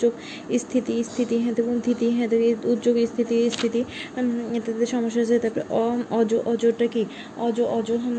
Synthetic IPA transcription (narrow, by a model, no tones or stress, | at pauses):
oɡ | ist̪ʰit̪ist̪ʰit̪iɦɛ̃t̪ebunt̪ʰit̪iɦɛ̃t̪eut̪ːd͡ʑoɡist̪ʰit̪ist̪ʰit̪i | t̪aeʃɔmoʃːad͡ʑet̪apɾeʔɔɔd͡ʒoʔɔd͡ʑoɾʈaki | ɔd͡ʑoʔɔd͡ʑoɦɐm